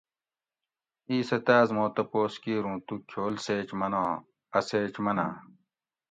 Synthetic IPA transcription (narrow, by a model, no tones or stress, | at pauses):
iːsɐt̪aːzmõːt̪ɐpoːskiːɾũːt̪ut͡ɕʰoːlseːt͡ɕmɐnãː | ɐseːt͡ɕmɐna̰ː